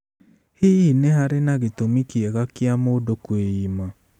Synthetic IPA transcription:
hiinehaɾenaɣetomikiɛɣakjamoːdokweiːma

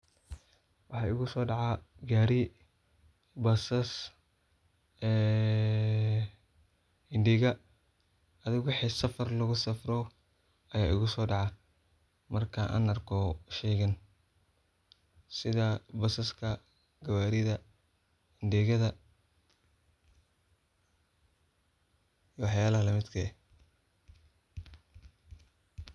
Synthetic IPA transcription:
wɑħɑːɪɣʊsɔːɖɑʕɑɡaːɾi | bɐsɐs | ɛː | hɪndɪɣɐ | ɐðɪɣwɑħiːsɐfɐrlɐɣʊsɐfrɔ | ɐjaːʔɪ̰ɣʊsɔːɖɑʕɑ | mɐrkʰɐʔa̰ːnɐrkʰɔʃɛːɣɐn | sɪðabɐsɐskʰɐ | ɡɐβaːɾɪðɐ | hɪnɖɪɣɐðɐ | iwɑħjaːlɐɦɐlɐmɪd̪kʰɐɛ

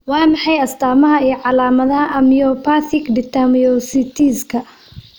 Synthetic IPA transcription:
wɑːmɑħɑjɐst̪ʰaːmɐɦɐijʕɑlaːmɐðɐɦɐʔɐmijɔpʰaθɪkd̪ɪt̪ʰamjɔsɪt̪ʰiskʰɐ

